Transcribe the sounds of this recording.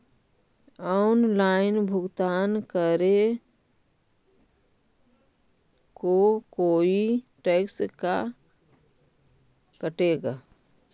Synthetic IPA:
ɔnlaːɪnbʱʊɡt̪aːnkəɾe | kokoːiʈekska̰ | kəʈeɡaː

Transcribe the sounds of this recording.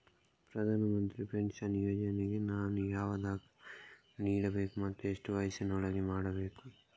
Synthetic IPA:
pɾɐd̪ʱaːnɐmɐnt̪ɾipeɳsɐnjoːd͡ʒɐneɡenaːnujaːʋɐd̪aːk | niːɽɐbeːkumɐt̪ːueʂʈuʋaːjsɐnɐɐɭɐɡemaːɽɐbeːku

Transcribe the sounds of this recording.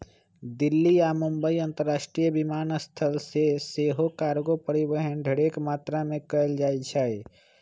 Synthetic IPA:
d̪ɪlːiamʊmbəiə̃nt̪əɾːaːʃʈɾijəbimaːnəst̪ʰəlseseɦokaːɾɡopəɾibəɦənɖʱəɽekmaːt̪ɾamẽkəəld͡ʒaːt͡ʃʰɛi

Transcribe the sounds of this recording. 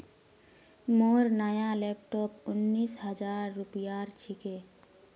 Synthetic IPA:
moːɾnaːjalep̚ʈɔːpʊnːiːsɦəd͡ʒaːɾːupijaɾt͡ʃʰike

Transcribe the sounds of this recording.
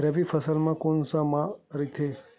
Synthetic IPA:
ɾəʋifʰəsəlmãkonsãmãɾit̪ʰe

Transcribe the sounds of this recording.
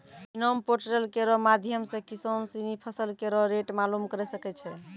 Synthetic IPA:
inompoɾʈɾelkeɾɔmad̪ʱjəmsẽkisonsinipʰəsəlkeɾɔɾeʈmalumkəɾɛsəkɛt͡ʃʰɛ

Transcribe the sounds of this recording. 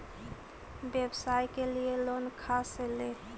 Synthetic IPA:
bebsajkelielonkʰasele

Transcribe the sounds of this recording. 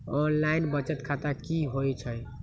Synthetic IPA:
ɔnlainbət͡ʃət̪kʰat̪akiɦojt͡ʃʰəj

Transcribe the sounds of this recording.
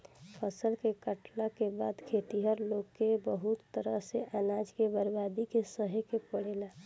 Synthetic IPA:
pʰəsəlkekəʈlakebaːd̪kʰeːt̪iɦəɾloːɡkːebəɦut̪ːəɾəɦseʔaːnad͡ʒkebəɾbab̪ikesəɦekepəɽ̤ela

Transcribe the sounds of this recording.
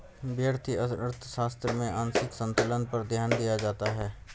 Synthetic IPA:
bjəɾt̪ʰiɐəɾt̪ʰəʃaːst̪ɾəmẽʔãːnsɪksə̃nt̪ələnpɐɾd̪ʱjaːnd̪ijad͡ʒaːt̪aɦɛː

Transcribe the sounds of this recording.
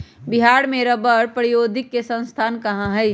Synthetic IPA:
bɪɦaːɽmẽɾɐbəɾpɾijoːd̪ʱɪkːesə̃nst̪ʰaːnkɐɦãɦɛi

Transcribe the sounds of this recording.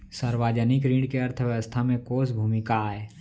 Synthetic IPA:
səɾwaːd͡ʒənɪkɾĩːɳɖkeɐɾt̪ʰəʋjəʋəst̪ʰamẽkoːsbʱuːmɪkaɛː

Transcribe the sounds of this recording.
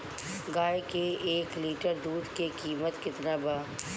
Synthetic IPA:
ɡaːjkeeːkliːʈəɾd̪uːd̪kekiːmət̪kɪt̪nabaː

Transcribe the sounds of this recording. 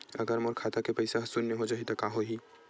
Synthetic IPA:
ɐ̰ɡəɾmoːɾkʰaːt̪akepɐɪsaɦɐsunneɦod͡ʒaːɦit̪ɐkaːɦoɦiː

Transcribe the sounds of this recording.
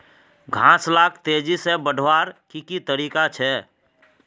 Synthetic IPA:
ɡʱãːslaːkʰt̪eːd͡ʒisebəɖʱʋaːɾkikit̪əɾiːkat͡ʃʰɛ

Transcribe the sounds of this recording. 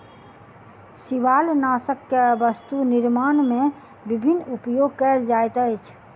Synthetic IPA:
siʋaːlnaːsəkːebəst̪unɪɾmaːnmẽ | bibʱinːupjoɡ̚kəld͡ʒajt̪əjt͡ʃʰ

